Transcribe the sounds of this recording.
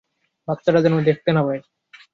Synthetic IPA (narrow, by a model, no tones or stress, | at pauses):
bap̚t̪aɾad͡ʑɔnod̪ek̚ʰt̪enabe